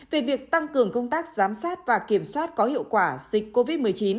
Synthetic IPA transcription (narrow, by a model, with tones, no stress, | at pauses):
ve˨˩vi˨˩ək̚t̪a˧ŋkɨ˨˩əŋkə˧wŋ͡mt̪aː˦˥k̚z̥aː˨˦msaː˦˥t̚vaː˨˩ki˧˩əmswaː˦˥t̚kɔ˨˦hḭ˧˨əwkwaː˧˩zï˨˩k̟̚ko˧vi˦˥t̚mɨ˨˩əjt͡ɕi˨˦n